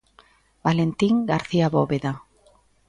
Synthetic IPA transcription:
balent̪iŋɡaɾθiaβoβeða

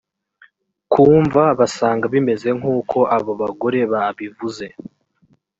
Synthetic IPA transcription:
kʰuːɱvaβasaːŋɡaβime̞ze̞ŋ̥uːkʰo̞ʔaβo̞βaɡo̞ɾe̞βaβivuze̞

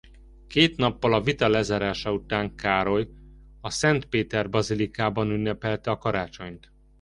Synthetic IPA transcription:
keːt̪nɒpːɒlɒvit̪ɒlɛzaːɾaːʃɒut̪aːŋkaːɾo̞jɒsɛnt̪peːt̪ɛrbɒzilikaːbɒnynːɛpɛlt̪ɛɒkɒɾaːt͡ʃo̞ɲt̪

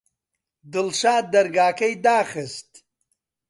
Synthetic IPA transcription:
d̪ɪlʃaːd̪ɐɾɡaːkɐjd̪aːxəst̪

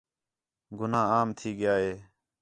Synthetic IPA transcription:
ɡʊnãːaːmt̪ʰiːɡɪjaːɦeː

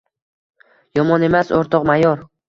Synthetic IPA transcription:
jɒmɒne̞maso̰ɾt̪ʰɒqmajɒɾ

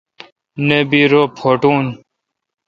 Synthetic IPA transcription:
nebiːɾoːpʰoːʈuːn

